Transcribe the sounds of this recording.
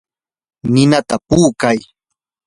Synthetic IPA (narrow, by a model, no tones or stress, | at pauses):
nɪnat̪apuːkaj